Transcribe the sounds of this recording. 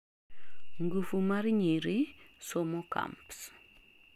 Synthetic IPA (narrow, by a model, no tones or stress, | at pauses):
ŋɡufumaɾɲiɾisomoka̰mps